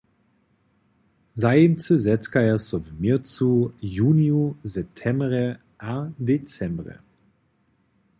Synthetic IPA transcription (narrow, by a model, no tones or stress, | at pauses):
zaɪɪmt͡səzɛt͡skaɛsovmiɐt͡sujuːniuzɛp̚tʰɛmbʁə | ʔadet͡sɛmbʁə̰